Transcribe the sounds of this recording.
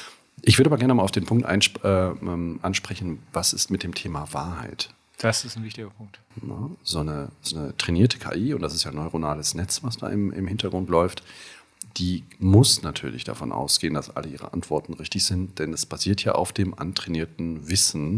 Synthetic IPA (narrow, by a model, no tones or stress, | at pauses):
ʔɪçv̥ʏɐɾabɐɡɛɐnəmaːlaʊfd̥eːnpʰʊŋk̚tʔa̰ɪnʔɛːɛːmʔa̰nʃpʁ̥ɛçn̩vasɪstmɪtd̥eːmtʰeːmavaːɐha̰ɪt | d̥asɪstnvɪçtɪɡɐpʰʊŋk̚t | nə̰zoːnəzoːnətʁ̥ɛniːɐtʰə̥kʰa̰ːʔiːʊntd̥asɪstjaːnɔʏʁonaːləsnɛt͡sv̥asd̥a̰ːɪmʔɪ̰mhɪntɐɡʁʊntlɔʏft | d̥iːmʊsnatʰyːɐlɪçd̥a̰fɔnʔa̰ʊsɡ̥eːəndasʔa̰ləʔiːʁ̞ə̰ʔa̰ntv̥ɔɐtn̩ʁɪçtɪçz̥ɪntd̥ɛndaspʰaziːɐtʰja̰ːʔa̰ʊfd̥eːmʔa̰ntʁ̥ɛniːɐtn̩vɪsn̩